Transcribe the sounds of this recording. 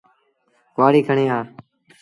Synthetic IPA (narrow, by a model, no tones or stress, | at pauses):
kʋaːɽiːkʰəɳẽːaː